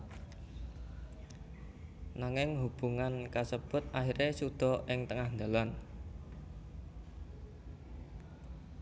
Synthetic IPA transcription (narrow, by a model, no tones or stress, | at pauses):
naŋɪŋɦub̥uŋankasəb̥ʊt̪̚ahiɾesud̪̥ɔ̤ʔɪŋt̪əŋahnd̪a̤lan